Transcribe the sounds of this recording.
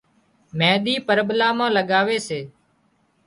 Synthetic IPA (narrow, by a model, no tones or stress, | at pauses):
mɛ̃ːɗ̪iːpəɾɓlaːmãːləɠaːʋeːseː